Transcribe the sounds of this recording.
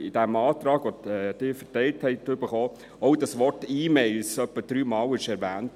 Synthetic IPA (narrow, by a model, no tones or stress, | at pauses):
ɪd̥æmɑːtɾɑːɡɔɛd̥ɪːɾfətɛɪlthɛɪtʏb̥əχɔː | ɔʊdɑsʋɔrtiːmɛɪlsœpːəd̥ɾyːmɑːlɪʃɛɾʋæːnt